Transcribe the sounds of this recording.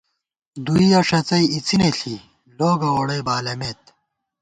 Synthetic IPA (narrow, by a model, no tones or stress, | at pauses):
d̪uijɐʂɐt͡sɐiit͡sineɬʰi | loːɡɐoːɽɐjbaːlɐmeːt̪̚